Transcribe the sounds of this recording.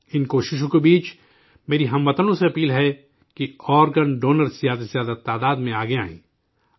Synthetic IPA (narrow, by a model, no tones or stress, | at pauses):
ɪnkoːʃɪʃ̬õkebiːt͡ʃ | meːɾiɦɐ̃mʋɐt̪ənõseɐpiːlɦɛ | kiɔːɾɡənɖoːnəɾsijaːd̪sjaːd̪at̪ːaːd̪aːd̪mẽaːɡea̰ːḭ̃ː